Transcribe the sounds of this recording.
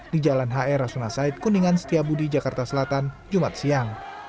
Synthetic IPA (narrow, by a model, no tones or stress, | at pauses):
did͡ʒalanɦaɛɾasunasait̪̚kuniŋanst̪iabudid͡ʒakart̪asəlat̪an | d͡ʒumat̪̚siaŋ